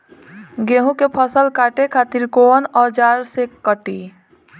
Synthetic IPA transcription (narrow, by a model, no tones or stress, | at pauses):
ɡeɦũkepʰəsəlkaʈekʰaːt̪iɾkonɔd͡ʒaːɾsekːəʈi